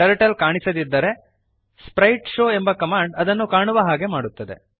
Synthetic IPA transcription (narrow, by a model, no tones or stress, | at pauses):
ɐɾɐʈɐlkaːɳisɐd̪id̪ːɐɾe̞ | spɾɐjʈʃoːe̞mbɐkɐmaːɳɖɐd̪ɐnːukaːɳuʋɐɦaːɡe̞maːɽut̪ːɐd̪e̞̰